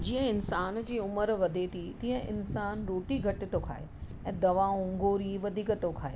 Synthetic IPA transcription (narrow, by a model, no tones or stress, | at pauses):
d͡ʑiːə̃ɪnsaːnd͡ʑiːʊməɾʋɐd̪ʱet̪ʰit̪iːɦə̃ʔɪ̰nsaːnɾoːʈiɡʱɐʈɪt̪okʰa̰ːɦḛ | ɛ̃ːd̪ɐʋaːõŋɡoːɾiʋɐd̪ʱiːkət̪okʰaːḛ